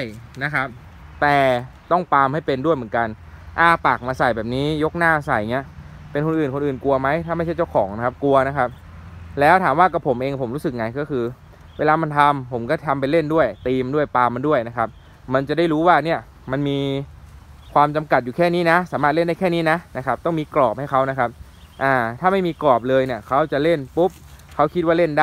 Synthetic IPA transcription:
a˥˩jna˦˥kʰa˦˥p̚ | t̪ɛː˨˩t̪ɔ˥˩ŋpaː˧mha˥˩jpe˧ndu˥˩əjmɯ˩˦ka˧n | ʔaː˧˩paː˨˩k̚maː˧sa˨˩jbɛː˨˩p̚niː˦˥jo˦˥k̚naː˥˩sa˨˩jŋi˦˥ɐ | pe˧nkʰo˧nʔɯː˨˩nko˧nʔɯː˨˩nku˧ɐma˦˥jt̪ʰaː˥˩ma˥˩jt͡ɕʰjt͡ɕa˥˩wkʰɔː˩˦ŋn˧˦˥kʰa˦˥p̚ku˧ɐna˦˥kʰa˦˥p̚ | lɛː˦˥wt̪ʰaː˩˦mwaː˥˩ka˧˩pʰo˩˦mʔeː˧ŋpʰo˩˦mɾuː˦˥sɯ˨˩k̚ŋa˧jkɔː˥˩kʰɯː˧ | weː˧laː˧ma˧nt̪ʰa˧mpʰo˩˦mkɔː˥˩t̪ʰa˧mp̬jle˥˩ndu˥˩əjt̪iː˧m˧ndu˥˩əjpaː˧ma˧ndu˥˩əjna˦˥kʰa˦˥p̚ | ma˧nt͡ɕa˨˩da˥˩jɾuː˦˥waː˥˩ni˥˩ɐ | ma˧nmiː˧ | kʰwaː˧mt͡ɕa˧mka˨˩t̪̚juː˨˩kʰɛː˥˩niː˦˥na˦˥saː˨˩˦maː˥˩t̪̚le˥˩nda˥˩jkʰɛː˥˩niː˦˥na˦˥na˦˥kʰa˦˥p̚t̪ɔ˥˩ŋmiː˧klɔː˨˩p̚ha˥˩jkʰa˦˥wna˦˥kʰa˦˥p̚ | ʔaː˧˩t̪ʰaː˥˩ma˥˩jmiː˧kɔː˨˩p̬̚lɤː˧jni˨˩ɐkʰa˦˥wt͡ɕa˨˩le˥˩npu˦˥p̚kʰa˦˥wkʰi˦t̪̚waː˥˩le˥˩ndaː˥˩

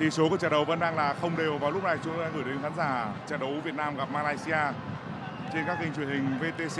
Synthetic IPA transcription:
t̪ʰi˨˩so˨˦ku˧˩ət͡ɕəː˨˩ɗə˨˩wvə̰˧˥nɗaː˧ŋlaː˨˩xə˧wŋ͡mɗe˨˩wvaː˨˩wlʊ˦˥k͡p̚na˨˩jt͡ɕʊ˨˦ŋ͡mt̪o˧a˧ʔɨː˧˩jɗe˨˦nxaː˨˦nzaː˧˩t͡ɕə̰ː˧˨˩ɗə˨˦wvi˨˩ət̚naː˧mɣa˨˩p̚maː˧laː˧jsi˧ʔaː˧ | t͡ɕe˧nkaː˦˥k̚ːï˧ŋ̟t͡ɕwi˧˩ənhï˨˩ŋ̟ve˧t̪e˧se˧

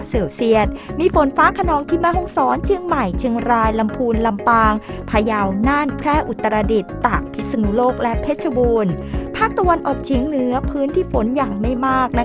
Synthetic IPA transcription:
seː˧˩wsi˥˩ət̪̚miː˧fo˨˩˦nfaː˦˥kʰa˧nɔː˨˦˥ŋt̪ʰiː˥˩maː˥˩ɦɔ˥˩ŋsɔː˩˦nt͡ɕʰi˧˥əŋma˨˩jt͡ɕʰɯ˧ŋɾaː˧jla˧mpʰuː˧nla˧mpaː˧ŋpʰaː˧ja˧wnaː˥˩npʰɾɛː˥˩ʔu˨˩t̪ːa˧ɾaː˧di˨˩t̪ːa˨˩k̚pʰi˦˥sa˧nuː˧loː˥˩k̚lɛ˦˥pʰe˦˥˩t̪̚t͡ɕʰa˧buː˧n | pʰaː˥˩k̚t̪a˧wa˧nʔɔː˨˩k̚t͡ɕʰi˨˦ŋnɯ˦˥ɐpʰɯː˦˥nt̪ʰiː˥˩fo˩˦njaː˨˩ŋma˥˩jmaː˥˩k̚na˦˥

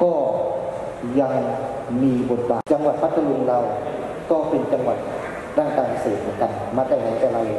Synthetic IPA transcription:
kɔː˥˩ | ja˧ŋ | miː˧bo˨˩t̪̚baː˨˩t͡ɕa˧ŋwa˨˩t̪̚pa˦˥t̪ʰːa˧lu˧ŋlaː˧˩w | kɔː˥˩pe˧nt͡ɕa˧ŋʋa˨˩t̪̚ | ɾaː˥˩ŋkaː˧npʰa˧seː˨˩t̪̚mɯ˧˦˨nka˧˩n | maː˧t̪a˧˩na˨˦t̪a˧˩la˧˦j

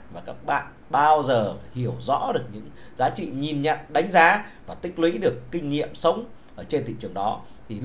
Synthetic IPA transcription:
vaː˨˩kaː˦˥k̚ɓa̰ː˧˨n | ɓaː˧wzəː˨˩hi˧˩əwzɔ̰˧˥ɗɨ˨˩ək̚ɲɨ̰˧˥ŋ | zaː˨˦t͡ɕḭ˧˨ɲi˨˩nɲə̰˧˨nɗa˨˦jŋ̟zaː˨˦vaː˨˩t̪ï˦˥k̟̚lwḭ˧˥ɗɨ˨˩əkːï˧ŋ̟ŋḭ˧˨əmsə˨˦wŋ͡mʔəː˧˩t͡ɕe˧nt̪ʰḭ˧˨t͡ɕɨ˨˩əŋɗɔ˨˦ | t̪ʰi˨˩

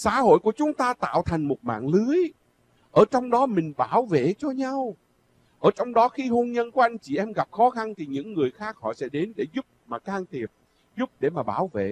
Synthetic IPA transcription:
saː˨˦ɦo̰˧˨jku˧˩ət͡ɕʊ˨˦ŋ͡mt̪aː˧t̪a̰ː˧˨wt̪ʰa˨˩jŋ̟mo˨˩t̚ma̰ː˧˨ŋlɨ˨˦əj | ʔəː˧˩t͡ɕɔ˧wŋ͡mɗɔ˨˦mï˨˩ŋ̟ɓaː˧˩wvḛ˧˨t͡ɕɔ˧ɲa˧w | ʔəː˧˩t͡ɕɔ˧wŋ͡mɗɔ˨˦xi˧ɦo˧nɲə˧nku˧˩˦ʔa˧jŋ̟t͡ɕi˧˩ʔɛ˧mɣa˨˩p̚xɔ˨˦xa˧nt̪ʰi˨˩ɲɨ̰˧˥ŋːɨ˨˩əjxaː˦˥k̚hɔ̰˧˨sɛ̰˧˥ɗe˨˦nɗe˧˩zʊ˦˥p̚maː˨˩kaː˧ŋt̪ʰi˨˩əp̚ | zʊ˦˥p̚ɗe˧˩maː˨˩ɓaː˧˩wvḛ˧˨

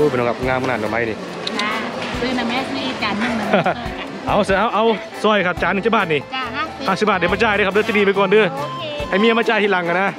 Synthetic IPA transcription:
u˧˩pe˧˨nɔ˧˩ka˧pŋaː˧mʰ˧naː˧˨kɔ˨˩ma˧˥jni˧˩ | a˧sɯː˧˨na˧mɛ˧˦˧ni˧t͡ɕa˨˦n˧ | ʔa˨˧˩wsɯ˧ʔa˧wʔa˧˥˨w | sɔ˧˩jkʰa˧˩p̚t͡ɕaː˨˦nːɯ˧t͡ɕa˧˩baː˧˩t̪̚ni˧˩haː˧˩si˧˦baː˧˩i˧˩ma˧˩t͡ɕaː˧jdk̚ʰdɯː˧t̪i˧˨niː˧˩ma˧kɔː˧˩˨ndɯː˧˩ | ha˧˨˩jmiː˧˨a˧maː˧t͡ɕaː˧˩jt̪ʰːla˨˦ŋka˧˨naː˧˥˨

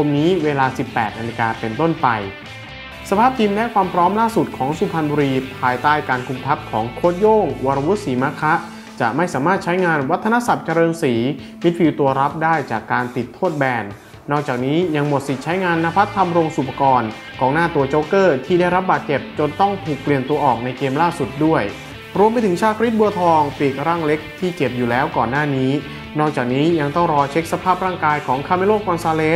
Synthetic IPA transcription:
kʰo˧mniː˦˥weː˧laː˧si˨˩pːɛː˨˩t̪̚naː˧li˧kaː˧pe˧nt̪o˥˩npa˧j | sa˧pʰaː˥˩p̚t̪ʰi˧mlɛ˦˥kʰwaː˧mpʰɾɔː˦˥mlaː˥˩su˨˩t̪̚kʰɔː˩˦ŋsuː˧˩pʰa˧nbuː˧ɾiː˧pʰaː˧jt̪aː˥˩jkaː˧nkʰu˧mt̪ʰa˦˥p̚kʰɔː˩˦ŋkʰoː˥˩t̪̚joː˥˩ŋwu˧ɾa˧wu˦˥t̪̚siː˩˦ma˦˥kʰa˦˥ʔ | t͡ɕa˨˩ʔma˥˩jsaː˩˦maː˥˩t̪̚t͡ɕʰa˦˥jŋaː˧nwa˦˥t̪ʰːa˧na˦˥sa˨˩p̚t͡ɕa˧ɾɤː˧nsiː˩˦ | mi˦˥t̪̚wiː˧wt̪u˧ɐɾa˦˥p̚daː˥˩jt͡ɕaː˨˩kːaː˧nt̪i˨˩t̪ʰːoː˥˩t̪̚bɛː˧nː | ɔː˥˩k̚t͡ɕaː˨˩k̚niː˦˥ja˧ŋmo˨˩t̪̚si˨˩t͡ɕʰa˦˥jŋaː˧nːa˧˥pʰa˦˥t̪ʰːa˧mɾoː˧ŋsu˨˩pʰa˧kɔː˧n | kɔː˨˩ŋnaː˥˩t̪u˧ɐt͡ɕoː˦˥kɤː˥˩t̪ʰiː˥˩da˥˩jɾa˦˥p̚baː˨˩t̪̚t͡ɕe˨˩p̚t͡ɕo˧nt̪ɔ˥˩ŋt̪ʰuː˨˩k̚pli˨˩ənt̪u˧ɐʔɔ̰ː˨˩k̚na˧jkeː˧mlaː˥˩su˨˩t̪̚du˥˩əj | ɾu˧əmpa˧jt̪ʰɯ˩˦ŋt͡ɕʰaː˥˩kʰɾi˦˥t̪̚bu˧ɐt̪ʰɔː˧ŋpiː˨˩k̪̚ɾaː˥˩ŋle˦˥k̚t̪ʰiː˥˩t͡ɕe˨˩p̚juː˨˩lɛː˦˥wkɔː˨˩nːaː˥˩niː˦˥ | nɔː˥˩k̚t͡ɕaː˨˩k̚niː˦˥ja˧ŋt̪ɔ˥˩ŋɾɔː˧t͡ɕʰe˦˥k̚sa˧pʰaː˥˩p̚ɾaː˥˩ŋkaː˧jkʰɔː˩˦ŋkʰaː˧me˧˥loː˥˩kːɔ˧nsaː˧leː˦˥

